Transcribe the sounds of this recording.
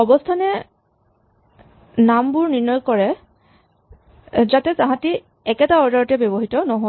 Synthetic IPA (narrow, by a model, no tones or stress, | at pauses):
ɔbɔstʰanɛ | nambuɹniɹnɔjkɔɹɛ | zatɛtãɦãti | ɛkɛtaɔɹdaɹɔtɛbjɔbɔɦitɔnɔɦɔ